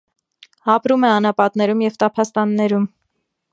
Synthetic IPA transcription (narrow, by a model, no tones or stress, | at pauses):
ɑpɾumɛɑnɑpɑt̪nɛɾumjɛvt̪ɑpʰɑst̪ɑnːɛɾum